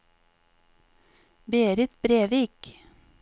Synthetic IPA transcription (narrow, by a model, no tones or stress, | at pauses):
beːɾɪt̪bɾeːʋiːk